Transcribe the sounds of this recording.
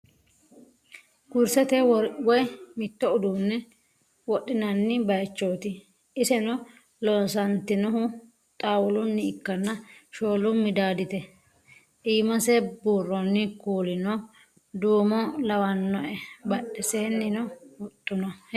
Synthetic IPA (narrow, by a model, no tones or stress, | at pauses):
ɡ̥ʊɾsɛt̪ɛwwɔjmɪt̪ːɔʊd̪uːnːɛ | wɔɗːɪnɐnːɪbɐjt͡ʃːoːt̪ɪ | ɪsɛnɔ | lɔːnsɐnt̪ɪnɔɦʊ | t̪ʼaːwʊlʊnːɪːkːɐnːɐʃoːlʊmːɪd̪aːd̪ɪt̪ɛ | ʔiːmɐsɛbuːrːɔnːɪkuːlɪnɔ | d̪uːmɔlɐwɐnːɔʔɛbɐɗɛseːnːɪnɔʊt̪ʼːʊnɐ